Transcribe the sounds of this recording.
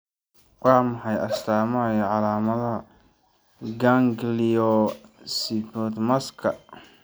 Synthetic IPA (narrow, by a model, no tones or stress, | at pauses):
wɑːmɑħɑjɐst̪ʰaːmɐɐjɐʕɑlaːmɐðɐɐ | ɡaŋɡliɔsipɔːd̪mɐskʰɐ